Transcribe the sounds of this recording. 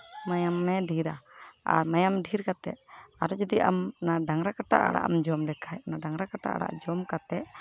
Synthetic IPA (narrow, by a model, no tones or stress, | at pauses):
majamːɛɖʱiɾa̰a̰ɾmajamɖʱiɾkat̪ɛ̰ʔaɾɔd͡ʒɔd̪iʔa̰mnaɖaŋɾakaʈa̰ʔa̰ɽa̰ʔmd͡ʒɔmɖɛkʰajnaɖaŋɾakaʈa̰ʔa̰ɽa̰ʔd͡ʒɔmkat̪ɛʔ